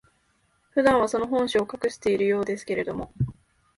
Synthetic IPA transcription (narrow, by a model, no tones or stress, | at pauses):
ɸɯ̟d̪ãɰ̃β̞aso̞no̞ɦõ̞ɰ̃ɕiokakɯ̟ɕi̥t̪e̞iɾɯ̟jo̞ːd̪e̞sɨ̥ke̞ɾe̞d̪o̞mo̞